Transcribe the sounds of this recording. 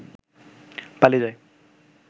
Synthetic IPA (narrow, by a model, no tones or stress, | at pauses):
palizaj